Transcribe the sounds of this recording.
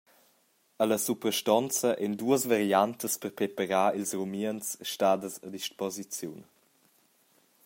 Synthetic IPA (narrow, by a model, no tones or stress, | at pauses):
ələsupɾəʃtɔnt͡səʔɛnduəsvaɾiant̪əspəɾpɾepəɾaːilsrumiənsʃtaːdəsə̰diʃpɔzit͡sjun